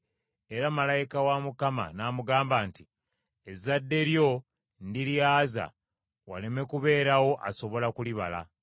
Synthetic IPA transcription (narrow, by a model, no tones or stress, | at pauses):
e̞ɾamalajikawamukama̰naːmuɡaːmbaːnti | ezadːe̞ɾjo̞ | ndiljaːza̰ | wa̰leme̞kuβe̞ːɾawo̞ʔaso̞βo̞lakuliβala̰